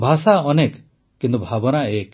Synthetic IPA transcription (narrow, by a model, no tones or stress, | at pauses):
bʱasaɔnek | kːint̪ubʱabɔnaek